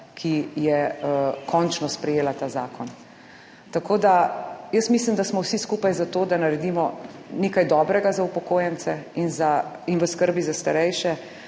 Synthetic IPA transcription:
kʰijɛkʰɔnt͡ʃnɔspɾɛjeːlat̪aːza̰ːkʰɔn | t̪akoːd̪ajəsmislimd̪asmɔwsiskuːpajzat̪oːd̪anaɾɛd̪imɔneːkajd̪ɔːbɾɛɡazaupɔkoːjɛnt̪sɛinza | inʋəskəɾbizast̪aɾɛjʃɛ

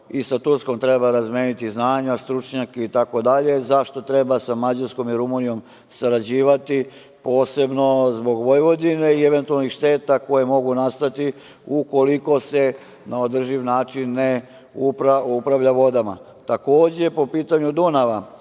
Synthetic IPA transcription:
isat̪uɾsko̞mt̪ɾe̞baɾazmʲjeːnit̪iznaːɲast̪ɾut͡ʃɲakeit̪ako̞d̪aʎe̞zaʃt̪o̞t̪ɾe̞basamad͡ʑaɾsko̞miɾumunijo̞m | saɾad͡ʑiːʋat̪i | po̞ːse̞bno̞zbo̞ɡʋo̞jʋo̞d̪ine̞ieʋent̪ualnixʃt̪e̞ːt̪ako̞jemo̞ɡunast̪at̪i | uko̞liko̞se | naod̪r̩ʒiʋnaːt͡ʃinːe | upɾaupɾaʋʎaʋo̞d̪ama̰ | t̪ako̞ːd͡ʑe̞po̞piːt̪aɲud̪unaʋa

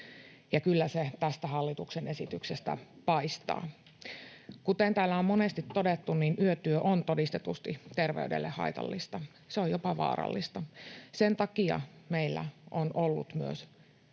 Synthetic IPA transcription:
jɑkylːæset̪æst̪æhɑlːit̪uksenesit̪yksest̪æ̰pɑist̪ɑ̰ː | kut̪ent̪æːlːæommonest̪it̪ːodet̪ːunninyøt̪yøʔont̪odist̪et̪ust̪it̪erʋḛydḛlːḛhɑ̰it̪ɑ̰lːist̪ɑ | seojopɑʋɑ̰ːɾɑ̰lːist̪ɑsent̪ɑkiɑ̰meilːæ̰ʔonolːṵt̪myø̰s

